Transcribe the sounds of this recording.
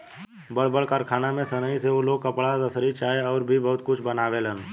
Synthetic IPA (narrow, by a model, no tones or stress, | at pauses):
bəɽbəɽkaːɾkʰaːnamẽsənəiseoloːɡ̚kəpɽazəsɾit͡ʃaːeɔːɾbʱibɐɦʊt̪̚kʊt͡ʃʰbənaːʋelən